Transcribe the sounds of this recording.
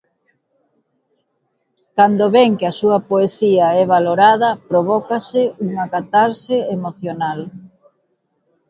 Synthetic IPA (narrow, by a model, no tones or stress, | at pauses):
kand̪oβɛŋkɪɐsuɐpoesiɐɛβaloɾaðɐpɾoβɔkasɪuŋakat̪aɾseemoθjonal